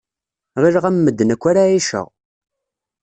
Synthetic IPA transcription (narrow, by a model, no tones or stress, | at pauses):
ʁiɾʁæmːəd̪ːənækʷːaɾaiʃə̰ʁ